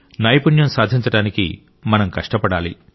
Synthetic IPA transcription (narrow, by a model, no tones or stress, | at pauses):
nɐjpunjɐmsaːd̪ʱiɲt͡ʃɐɽaːnikḭ | mɐnɐmkɐʂʈɐpɐɽaːlḭ